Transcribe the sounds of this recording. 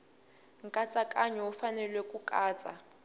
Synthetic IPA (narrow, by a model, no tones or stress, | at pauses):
ŋ̩kʼat͡sʼakʼaɲɔufanɛlwekʼukʼaːt͡sʼa